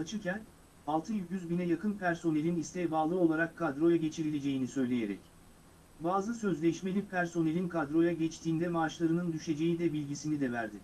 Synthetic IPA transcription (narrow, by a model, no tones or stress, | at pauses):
at͡ʃʰɯɾcʰæn | alˠt̪ʰɯjyɟyzbinɛjakɯnpʰæɾso̞ne̞lʲinist̪ʰɛjbaːlˠɯo̞lˠaɾakʰːad̪ɾo̞jaɟe̞t͡ʃʰiɾilʲe̞d͡ʒe̞jinisø̞jlʲe̞jeɾɛ̰c | baːzɯsø̞zlʲɛʃmelʲipʰæɾso̞ne̞lʲinkʰad̪ɾo̞jaɟɛt͡ʃt̪ʰiːnd̪ɛmaːʃlˠaɾɯnɯnd̪yʃe̞d͡ʒe̞jid̪ɛbilʲɟisinid̪ɛvæɾd̪ɪ